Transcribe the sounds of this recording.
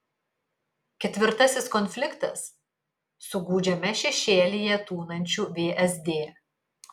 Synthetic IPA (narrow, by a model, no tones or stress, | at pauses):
kʲɛt̪ʲʋʲɪɾt̪ɐsʲɪskɔnʲfʲlʲɪkt̪ɐ̰sː | ʊɡuːd͡ʒʲɛmʲɛʃʲɛʃʲeːlʲijɛt̪uːnɐnʲt͡ʃʲuːʋʲeːʔɛzʲd̪ʲeː